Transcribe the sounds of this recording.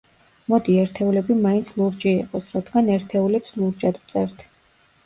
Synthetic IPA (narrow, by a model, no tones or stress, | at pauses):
mɔd̪iɛɾt̪ʰɛulɛbimaint̪sʰluɾd͡ʒɛiqʼɔsɾad̪ɡanɛɾt̪ʰɛulɛpslˠuɾd͡ʒad̪mt̪sʼɛɾt̪ʰ